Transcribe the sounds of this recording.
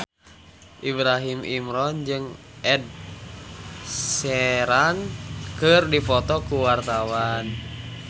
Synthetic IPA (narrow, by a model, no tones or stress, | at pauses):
ʔibɾaɦimʔimɾɔnd͡ʒɨŋ | ʔɛd̚ | sɛɾankɨrdifɔt̪ɔkuwart̪awan